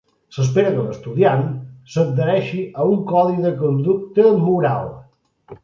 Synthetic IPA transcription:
səs̬peɾəkələst̪uðiansəd̪əɾɛʃiʔəuŋkɔðiðəkund̪uk̚t̪əlmuɾa̰lˠ

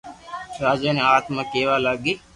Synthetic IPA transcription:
saːd͡ʒaːnẽaːt̪mãːkeːʋaːlaɡiː

